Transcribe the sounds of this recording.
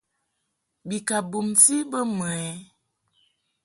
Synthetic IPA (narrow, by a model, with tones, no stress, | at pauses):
bi˨ka˨bu˨msi˦bə˦m˨ɛ˨˦